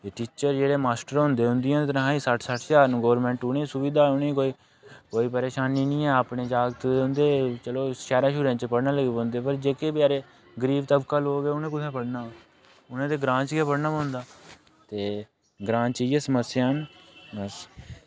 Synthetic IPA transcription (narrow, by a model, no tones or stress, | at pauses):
t̪eːʈiːt͡ʃəɾd͡ʒeːɽeːmaːsʈəɾɦʊ̃nd̪eːɦʊnd̪ɪĩjɛ̃ːt̪ɾɦãːiːsəʈʰsəʈʰt͡ʃaːɾnũːɡəːʋɾmɛ̃ːɳʈʊneːiːsʊʋiːd̪aːʊnẽːkoːiː | koːiːpəɾeːʃaːniːnĩːɛːəpneːd͡ʒaːɡt̪ʊnd̪eːt͡ʃəloːʃɛːɾãːʃʊɾẽːt͡ʃpəɽnãːləɡeːbɔ̃ːnd̪eːpəɾd͡ʒeːkeːbjaːɾeː | ɡəɾiːʋt̪əbkaːloːɡeːʊnẽːk̬ʊt̪ʰẽːpəɽnaː | ʊnẽːt̪eːɡɾãːt͡ʃɡeːpəɽnaːbɔ̃ːnd̪aː | t̪eː | ɡɾãːt͡ʃiːjɛːsəməsːjaːnbəs